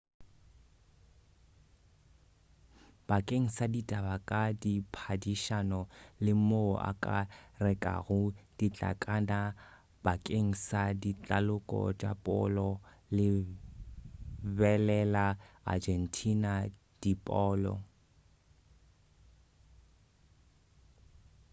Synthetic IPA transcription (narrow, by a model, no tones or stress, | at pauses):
b̥akʼeŋ̩saditʼabakʼadipʰadiʃanɔlɪmoa̰kʼa̰rɛkʼa̰ɣʊd̥it͡ɬʼa̰kʼana | b̥akʼeŋ̩sadit͡ɬʼalʊkʼɔ̰t͡ʃʼa̰pʼɔ̰lɔ | lɪ | bɛlɛlaa̰d͡ʒɛn̩tʰina | d̥ipʼɔːlɔ̰